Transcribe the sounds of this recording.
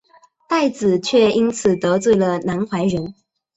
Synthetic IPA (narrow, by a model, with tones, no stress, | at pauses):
t̪a˥˩ɪt͡sɹ̩˨˩t͡ɕʰɥɛ˥˧i˥nt͡sʰɹ̩˨˩t̪ɤ˧˥t͡swe˥˩ɪlə˩na˧˥nxwa˧˥ɪɻə˧˦˥n